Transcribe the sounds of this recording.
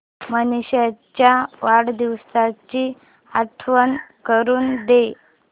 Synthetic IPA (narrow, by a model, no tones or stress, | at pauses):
mənuɕjat͡ɕjaʋaɽd̪iʋsat͡ɕiː | aʈʰʋənkəɾuːnd̪e